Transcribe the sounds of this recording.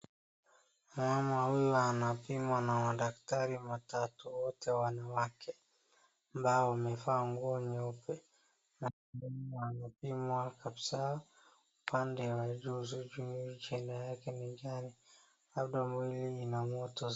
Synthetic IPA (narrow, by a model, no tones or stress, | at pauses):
mamahujɔanapimwanamaɗaktaɾimatatuwɔtʰɛwanawakʰɛ | ambaɔmɛfaŋɡuɔɲɔpɛ | na | minianapimwakabsa | upandɛwad͡ʒuzud͡ʒuit͡ʃɛndajakɛniɡani | lab̚ɗamwiliːnamɔtɔ